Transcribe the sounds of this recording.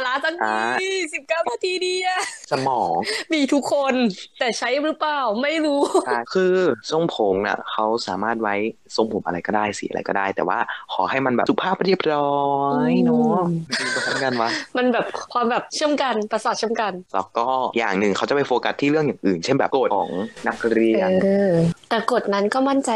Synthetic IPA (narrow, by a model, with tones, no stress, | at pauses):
laː˦˥sa˦˥ŋia˦˧si˨˩p̚kaː˥˩wnaː˧t̪ʰiː˧diː˧ʔa˧˩sa˧mɔː˩˦ŋmiː˧t̪ʰu˦˥kʰːo˧nt̪ɛː˨˩t͡ɕʰa˦˥jɾɯ˦˥plaː˨˩wma˥˩jɾuː˦˥˩kʰɯː˧so˧mpʰo˩˦mna̰˨˩kʰa˦˥wsaː˨˩˦maː˥˩t̪̚wa˦˥j | so˧˩ŋpʰo˨˩˦mʔa̰˧ɾa˧jkɔː˥˩daː˥˩jsi˨˩˦ʔa˧ɾa̰˧jkɔː˥˩daː˥˩jt̪ɛː˨˩waː˥˩kʰɔː˩˦ha˥˩jma˧nbɛ̰ː˨˩su˨˩pʰaː˥˩p̚ɾi˥˩əp̚ɾɔː˦jnɔ˦ma˥˩iː˧ka˧˩sʰa˦˥˩ka˧˩nwa˦˥ma˧nbɛː˨˩p̚kʰwaː˧mbɛː˨˩p̚t͡ɕʰɯ˥˩əmka˧npa˧saː˨˩t̪̚ʰe˥˩˨mka˧nlɛ˦˧˥wkɔː˥˩ja̰ː˨˩ŋnɯ˨˩ŋkʰa˦˥wt͡ɕa˨˩pa˧jfoː˧ka˦˥t̪ʰːiː˥˩ɾɯ˥˩əŋjaː˨˩ŋʔɯː˨˩nt͡ɕʰe˥˩nbɛ̰ː˨˩ko˨˩t̪ʰɔː˩˦ŋna˦˥k̚ɾiː˧t̪ɛː˨˩ko˨˩t̪̚na˦˥nkɔː˥˩ma˥˩nt͡ɕa˧j